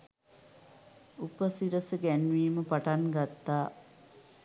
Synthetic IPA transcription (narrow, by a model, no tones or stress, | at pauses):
upəsiɾəsəɡænʋiːməpaʈaŋɡat̪ːaː